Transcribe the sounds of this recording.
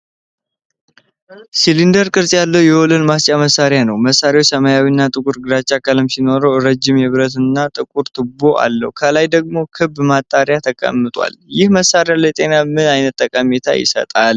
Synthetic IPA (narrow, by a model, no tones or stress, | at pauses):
silind̪əɾkʼɨɾsʼjalːəwjɛwolɨnmast͡ʃʼaməsːaɾjanəwməsːaɾjwt͡ʃsəmajawinːat̪ʼɨkʼuɾɡɨɾat͡ʃːakʰʼəlɨmsino̞ɾəwɾəd͡ʒːɪmjɛβɾət̪ɨnːat̪ʼɨkʼuɾt̪ʰɨboʔa̰lːə̰hukʰəlajd̪əɡ̚mo̞kʰɨbmat̪ʼːaɾjat̪ʰəkʼə̰mːɨt̪ʼwa̰ljɪhməsːaɾjalɛt̪ʼe̞namɨnajnət̪t̪ʼːəkʼamet̪ʰa̰jɪ̰sə̰t̪ʼal